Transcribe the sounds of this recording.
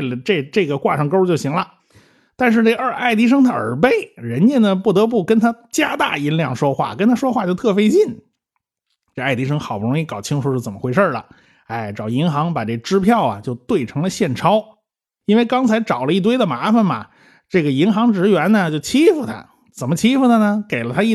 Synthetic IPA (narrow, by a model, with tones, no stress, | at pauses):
ə˩ʈ͡ʂe˥˧ʈ͡ʂɤ˥˩ɡə˩kwa˥˧ʂɑ˥˧ŋko˥ʊt͡ɕjo˥˩ʊɕi˧˥ŋlə˧ | t̪a˥˧nʂ̬ɻ̩˥˧ʈ͡ʂe˥˩əə˞˥˧ʔa˥˩ɪt̪i˧˥ʂ̬ɤ˥ŋt̪ʰa˥ə˞˨˧˥pe˥˩ɪɻə˧˥nt͡ɕɛ˥˩nd̪ə˩pu˥˩t̪ɤ˧˥p̬u˥˩kə˥nt̪ʰa˥t͡ɕja˥t̪a̰˥˩i˥nljɑ˥˩ŋʂwɔ˥xwa̰˥˩kə˥nt̪ʰa˥ʂwɔ˥xwa˥˧t͡ɕjo˥˧ʊt̪ʰɤ˥˩fe˥ɪt͡ɕi˥˩n | ʈ͡ʂe˥˩˧a˥˩ɪt̪i˧˥ʂ̬ɤ˥ŋxɑ˨˩ʊpu˥˩ɻʊ˧˥ŋi˥˩kɑ˨˩ʊt͡ɕʰi˥ŋʂu˧˥ʂɻ̩˥˩t͡sə˨˩mə˦xwe˧˥ɪʂə˞˥˩lə̰˩ | a˥˩ɪʈ͡ʂɑ˨˩ʊi˧˥nxɑ˧˥ŋpa˨˩ʈ͡ʂɤ˥˩ɡə˩ʈ͡ʂɻ̩˥pʰjɑ˥˩ʊɐ̰˩t͡ɕjo˥˧ʊt̪we˥˩ɪʈ͡ʂʰɤ˧˥ŋlə˧ɕjɛ˥˩nʈ͡ʂʰɑ˥ʊ | i˥nwe˥˧ɪkɑ˥ŋt͡sʰa˧˥ɪʈ͡ʂɑ˨˩ʊlə˦i˥˩t̪we˥ɪd̪ə˨ma˧˥fə˥˨nmɐ̰˨˩ | ʈ͡ʂɤ˥˩ɡə˩i˧˥nxɑ˧˥ŋʈ͡ʂɻ̩˧˥ɥɛ˧˥nnə˨t͡ɕjo˥˩ʊt͡ɕʰi˥fu˧˨˩t̪ʰa̰˥ | t͡sə˨˩mə˦t͡ɕʰi˥fu˧˩t̪ʰa˥˧nə˩ke˨˩ɪlə˦t̪ʰa˥i˥˩